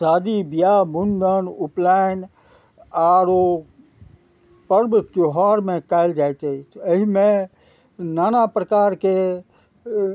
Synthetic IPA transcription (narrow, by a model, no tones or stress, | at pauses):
saːd̪ibijamund̪ənuplaɪn | aɾo | pəɾbk̪oɦaːɾmẽkaɪld͡ʒajt͡ʃ̪etəɦimẽ | naːnapɾəkaːɾke